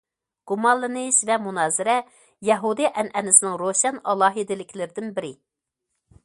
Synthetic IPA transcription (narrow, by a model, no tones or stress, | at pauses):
ɡ̥umɑlˠːɨnɨʃvɛmunɑːzɪɾɛ | jɛɦud̪ɨʔɛnɛnɪsɪnɪŋɾoʃɛnɑlˠɑːɦid̪ɪlɪkʲʰlɪɾɪd̪ɪnbɪɾɪ